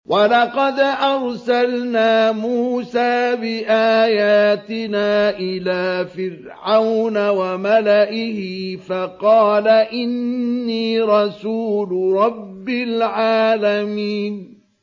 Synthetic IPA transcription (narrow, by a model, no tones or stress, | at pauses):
wʔalɑqɑd̪ʔɑɾˤsalnaːmuːsaːbɪʔaːjaːt̪ɪnaːʔɪlaːfɪɾ | ʕawnawamalaʔɪhɪfɑqɑːlaʔɪnːiːɾˤɑsuːlɾˤɑbːɪlʕaːlamiːn